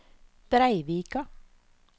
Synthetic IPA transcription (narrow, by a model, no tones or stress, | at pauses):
d̪̥ɾæɪʋiːkɑ